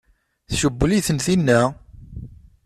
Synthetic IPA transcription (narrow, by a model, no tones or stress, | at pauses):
θʃəbːəliθənθinːæ